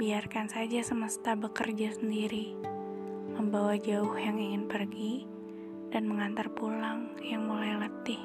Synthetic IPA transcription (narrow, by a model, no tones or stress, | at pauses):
biarkansad͡ʒasəməst̪abəkərd͡ʒasəndiɾi | məmbawad͡ʒaʊhjaŋiŋɪnpərɡi | danməŋant̪arpulaŋ | jaŋmulajlət̪ɪh